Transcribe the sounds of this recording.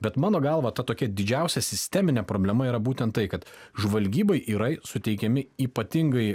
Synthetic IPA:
bʲɛt̪mɑːnoːɡɑlˠʋɐt̪ɐt̪oːkʲɛd̪ʲɪd͡ʒʲɛˑʊsʲɛsʲɪsʲt̪ʲɛmʲɪnʲɛpɾoːbʲlʲɛmɐiːɾɐbuːt̪ʲɛnt̪tɐɪkɐt̪ʒʋɐlʲɡʲiːbɐɪʔiːɾɐɪsʊt̪ʲɛɪkʲɛmʲɪiːpɐt̪ʲɪŋɡɐɪ

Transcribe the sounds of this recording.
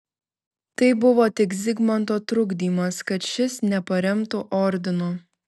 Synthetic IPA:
t̪ɐɪbʊʋoːt̪ʲɪkzʲɪɡmɐnt̪oːt̪ɾʊɡd̪ʲiːmɐskɐt̪ʃʲɪsnʲɛpɐɾʲɛmt̪uʔɔɾʲd̪ʲɪnoː

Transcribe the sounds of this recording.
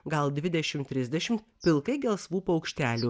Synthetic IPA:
ɡɐlˠd̪ʲʋʲɪd̪ʲɛʃʲɪmt̪ʲɾʲɪzʲd̪ʲɛʃʲɪm | pʲɪlˠkɐɪɡʲɛlˠsʋuːpɐɒʊkʃʲt̪ʲæːlʲuː

